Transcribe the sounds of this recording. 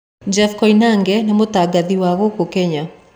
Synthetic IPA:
d͡ʒɛfkɔinaŋɡɛnemotaɡaðiwaɣokokɛɲa

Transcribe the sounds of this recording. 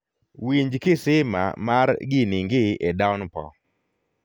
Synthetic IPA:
wiɲd͡ʒkɪsɪma̰maɾɡɪniŋɡɪɛdawnpɔ̰

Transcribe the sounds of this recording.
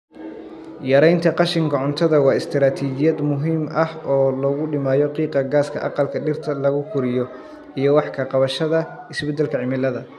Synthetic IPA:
jɐɾɛjnt̪ʰɐqɑʃɪŋkʰɐʕʊnt̪ʰɔðɐwɑːɪst̪ʰɪɾaːt̪ʰiːt͡ʃɪjɐd̪mʊɦiːmɐhɔːlɔɣʊɖɪmaːjɔqiːqɐɡaːskʰɐ̰ʔɑ̰qɑlkʰɐɖɪrt̪ʰɐlɐɣʊkʰʊɾɪjɔ | ijɔwɑħkʰɐqɑβɐʃɐðɐ | ɪsbɛd̪ɛlkʰɐʕɪmɪlɐðɐ

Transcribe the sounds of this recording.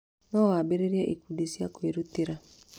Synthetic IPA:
nɔwabeɾeɾjaʔikudisjakweɾuteɾa

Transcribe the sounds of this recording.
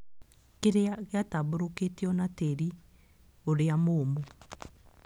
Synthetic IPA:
keɾeaɣeataβoɾoketeɔnateɾi | oɾeamoːmo

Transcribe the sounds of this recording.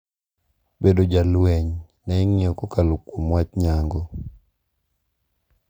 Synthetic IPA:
bedod͡ʒalwɛɲ | nɛŋɪɔkɔkalokwomwat͡ʃɲaŋɡɔ

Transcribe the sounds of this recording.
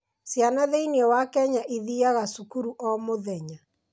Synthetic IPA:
sjanaðeiniɔwakɛɲaʔiðiaɣasukuɾuʔɔmoðɛɲa

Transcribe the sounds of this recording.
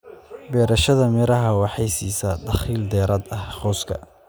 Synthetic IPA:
bɛːɾɐʃɐðɐmɪɾɐɦɐwɑħɑjsiːsɐd̪ɑχiːld̪ɛːɾɐd̪ɐhχɔːskʰɐ̰

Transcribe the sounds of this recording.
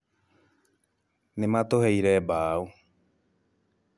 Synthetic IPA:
nẽmãt̪oɦejɾebau

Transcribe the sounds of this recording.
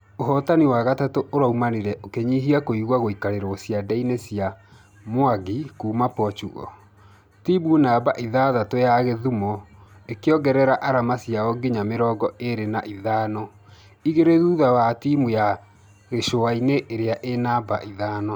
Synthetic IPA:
oɦɔtaniwaɣatatoʔoɾaumaneɾɛʔokeɲiɦiakoiɣwaɣoikaɾeɾɔosjadɛinesia | moaɣikuːmapɔt͡ʃuɣɔ̰ | tibunabaʔiðaðatojaɣeðumɔ | ekeɔɡɛɾɛɾaʔaɾamasiaɔɡiɲameɾɔːɡɔeɾenaʔiðaːnɔ | iɣeɾeðuðawatimuja | ɣeʃoaineʔːɾeaʔenaba̰ʔiðaːnɔ

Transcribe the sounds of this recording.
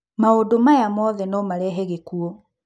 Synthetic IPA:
maodomajamɔðɛnɔmaɾɛɦeɣekuɔ

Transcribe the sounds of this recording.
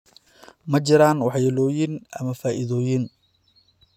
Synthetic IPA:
mɐt͡ʃɪɾaːnwɑħjɛlɔːjɪnɐmɐfaːʔɪðɔːjɪn

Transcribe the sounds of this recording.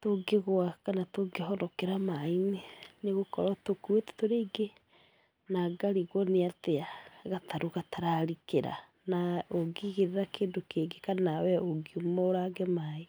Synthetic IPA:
toɡeɣwakanatoɡeɦɔɾɔkeɾamaineneɣokɔɾatokuetɛ̥toɾeiɡe | naɡaɾiɣwɔneateaɣatʰaɾoɣataɾaɾikeɾa̰ | naoɡiɣeɾeɾakeːndokeɡekanawɛoɡiomɔoɾaɡɛemae

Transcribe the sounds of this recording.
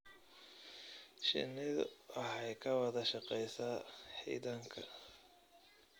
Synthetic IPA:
ʃɪ̰nɪð̰ɐɦɛjkʰɐwɑðɐʃɑqɛjsaːħḭːðɐŋkʰɐ

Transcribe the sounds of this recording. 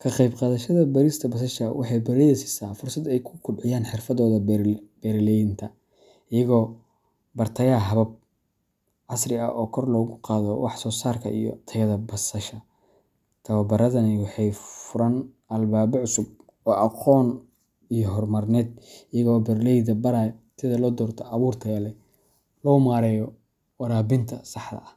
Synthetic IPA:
kʰɐqɑjbqɑːðɐʃɐðɐbɐɾɪst̪ʰɐbɐsɐʃɐwʔɑħɑjbɛɾɛjɛsɪ̥saːfʊrsɐd̪ɛjkʰʊkʰʊbʕɪjaːnħɪrfɐðɔːðɐb̥ɛɾɪlɛjɪnt̪ʰɐ | ʔɪjɐɣɔː | bɐrt̪ʰɐjɐɦɐβɐb̚ | ʕɑsrɪɐ̰ʔɔːkʰɔrlɔːɣʊqɑːðɔwɑħsɔːsaːrkʰɐ̰ʔḭjɔ̰t̪ʰɐjɐðɐbɐsɐʃɐ | t̪ʰɐβɐbɐɾɐðɐnɪwɑħɑjfʊɾɐn | ɐlbaːβɔʕʊsʊb̚ | ɔːʔɑqʰɔːn | ijɔɦɔrmɐrnɛːd̪̚ɪjɐɣɔːbɐrlɛjðɐbɐɾaːjsʰɪðɐlɔːd̪ɔːrt̪ʰɐɐβuːrt̪ʰɐjɐlɛ | lɔːmaːɾɛːjɔ | wɑɾaːbɪnt̪ʰɐsɑħd̪ɐ̰ɐ

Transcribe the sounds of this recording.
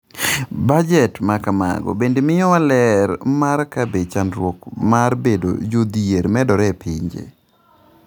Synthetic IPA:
bad͡ʒɛtmakama̰ɡɔ̰bendemɪjɔalɛɾmarkabet͡ʃanɾwokmaɾbedo̰d͡ʒod̪ieɾmɛdɔɾɛpʰɪɲd͡ʒḛ

